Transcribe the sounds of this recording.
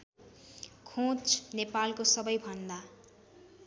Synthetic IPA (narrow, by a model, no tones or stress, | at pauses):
kʰõt͡snepalkosʌbʌjbʱʌnd̪a